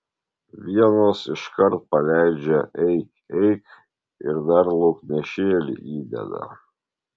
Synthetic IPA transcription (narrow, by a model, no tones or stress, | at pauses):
ʋʲiɛnoːsɪʃkɐɾt̪̚pɐlʲæˑɪd͡ʒʲɛʔɛɪkʲ | ɛɪk | ɪɾd̪ɐɾlˠɔknʲɛʃʲeːlʲḭʔiːd̪ʲɛ̰d̪ɐ̰